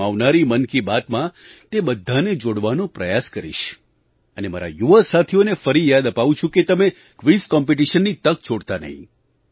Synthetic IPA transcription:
aʋnaɾimənkibat̪mã | t̪ebəd̪ʱːaned͡ʒoɽʋanõpɾəjaskəɾḭʃ | ənema̰ɾa̰juʋəsat̪ʰionefəɾijad̪əpaʋũt͡ʃʰũket̪əme | kʋiskɔmpiʈ̬iʃənːit̪ək̚t͡ʃʰoɽt̪anə̰ɦḭ̃

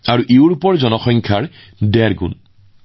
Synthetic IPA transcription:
aɹuʔeʊɹupɔɹzɔnɔxɔŋkʰaɹ | dɛɹɡṵn

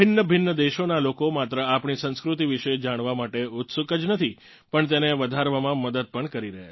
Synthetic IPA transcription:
bʱɪnːəbʱɪnːəd̪eʃonalokomat̪ɾəapɳisə̃ñskɾut̪iʋiʃed͡ʒaɽ̃ʋamaʈeʊt̪sukəd͡ʒnət̪ʰi | pəɳt̪̬eneʋəd̪ʱaɾʋamãməd̪əd̪̚pəɳkəɾiɾəɦḛ

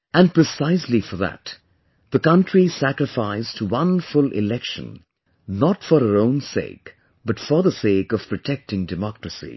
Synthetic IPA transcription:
æ̃npɹɨsaɪslifə˞ðæ̰t | ðəkʌ̃ntɹisækɹɨfaɪstʰəwʌ̃nfʊlɪ̰lɛkʃə̰̃n | nətfəɾəɹõʊ̃nsḛɪk | b̥ʌtfə˞ðəseɪkʌv̥pʰɹ̥ɔtʰɛk̚tɪ̃ŋdɨmɑkɹəsḭ

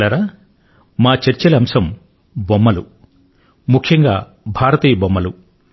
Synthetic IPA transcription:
ɐɾa | maːt͡ʃɐɾt͡ʃɐlɐɐmsɐm | bɔmːɐlu | mukʰjɐŋɡa̰ː | bʱaːɾɐt̪iːjɐbɔmːɐlu

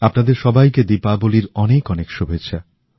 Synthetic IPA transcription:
apnad̪eɾʃɔbajked̪ipaboliɾɔnekɔnekʃobʱeɕʰa

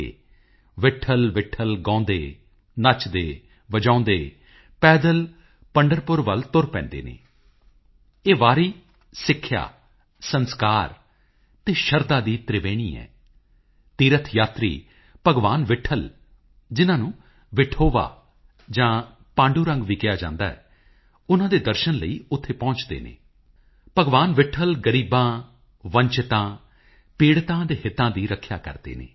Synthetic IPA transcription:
ḛː | ʋɪʈʰəlʋɪʈʰəlɡãːnd̪ḛː | nət͡ʃd̪eː | ʋəd͡ʒãːnd̪eː | pɛːd̪əl | pəɳɖəɾpʊɾʋəlt̪ʊɾpɛ̰̃ːnd̪ḛːnḛː | eːʋaːɾiː | sɪkʰːja̰ː | sənskaːɾ | t̪eːʃəɾd̪aːd̪iːt̪ɾɪʋeːɽ̃ḭːɛ̰ː | t̪iːɾət̪ʰjaːt̪ɾḭː | pəɡʋaːnʋɪʈʰəl | d͡ʒɪnãːnũː | ʋɪʈʰoːʋa̰ː | d͡ʒãː | pãːɳɖuːɾə̃ŋɡʋiːkɪjaːd͡ʒã̰ːnd̪a̰ːɛ̰ː | ʊnãːd̪eːd̪əɾʃənləḭːʊt̪ʰːeːpɔ̃ːt͡ʃd̪ḛːnḛː | pəɡʋaːnʋɪʈʰəlɡəɾiːbãː | ʋə̃ɲt͡ʃɪt̪ãː | piːɽt̪ãːd̪eːɦɪt̪ːãːd̪iːɾəkʰːja̰ːkə̰ɾd̪ḛːnḛ̃ː

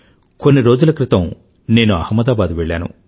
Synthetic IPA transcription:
ko̞nːiɾo̞ːd͡ʒulɐkɾit̪ɐm | ne̞ːnuɐ̰hɐmːɐd̪aːbaːd̪uʋeɭːa̰ːnṵ

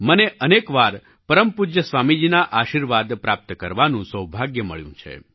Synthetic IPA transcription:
məneʔənekʋaɾ | pəɾəmpud͡ʒjəsʋamid͡ʒinaʔaʃiɾʋad̪pɾap̚t̪kəɾʋanũsəwbʱaɡjəmə̰ɭjũt͡ʃʰḛ

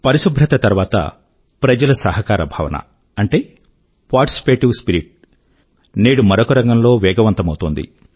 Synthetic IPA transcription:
pɐɾiʃubʱɾɐt̪ɐt̪ɐɾʋaːt̪ɐ̰ | pɾɐd͡ʒɐlɐsɐɦɐkaːɾɐbʱaːʋɐ̰nɐ̰ | ɐɳʈeː | paːɾʈi̥si̥peːʈiʋspiɾiʈ̚ | neːɽumɐɾokɐɾɐŋɡɐmlo̞ːʋɛːɡɐʋɐnt̪ɐmɐwut̪oːnd̪ḭ

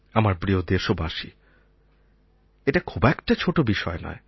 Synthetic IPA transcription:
amaɾbɾiod̪eɾʃobaʃḭ | eʈakʰubɛkʈat͡ɕʰoʈobiʃɔenɔ̰e

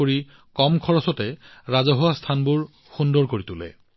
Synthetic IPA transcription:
oɹi | kɔmkʰɔɹɔsɔtɛɹazɔɦowastʰanbuɹ | xundɔɹkoɹitulɛ̰

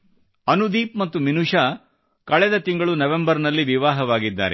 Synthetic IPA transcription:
ɐnud̪iːp̚mɐt̪ːuminuʂɐ | kɐɭɛd̪ɐt̪iŋɡɐɭunɐʋembɐɾnɐlːiʋiʋaːɦɐʋaːɡid̪ːa̰ːɾe

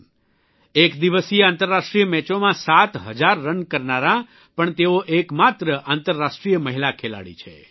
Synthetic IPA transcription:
ekd̪iʋəsieãnt̪əɾːaʂʈɾijəmɛt͡ʃomãsat̪ɦəd͡ʒaɾːənkəɾnaɾã | pəɳt̪eoʔekmat̪ɾəʔãnt̪əɾːaʃʈɾijəməɦilakʰela̰ɽḭt͡ʃʰḛ

